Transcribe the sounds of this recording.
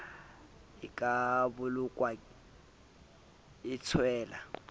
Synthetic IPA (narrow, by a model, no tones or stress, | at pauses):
ɪkʼabʊlʊkʼwa | ɪt͡sʰwɛːla̰